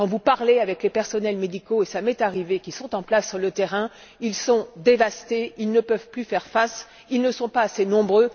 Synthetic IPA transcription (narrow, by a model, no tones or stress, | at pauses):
kɑ̃vupaʁleavɛklepɛʁsɔnɛlmed̪ikoesamɛt̪aʁivekʲisɔ̃t̪ɑ̃plasːyʁlət̪eʁɛ̃ | ilsɔ̃d̪evast̪eilnəpœvplyfɛʁfas | ilnəsɔ̃paːsenɔ̃bʁø